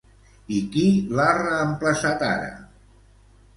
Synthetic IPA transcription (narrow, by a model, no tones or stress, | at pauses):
ikilarəːmpləsat̪a̰ɾə̰